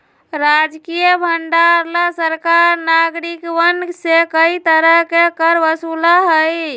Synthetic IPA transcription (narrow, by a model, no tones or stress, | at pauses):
ɾad͡ʒkijəbʱəɳɖaɾlasəɾkaɾnaɡɾikʋənsekəit̪əɾəɦkekəɾʋəsulaɦəj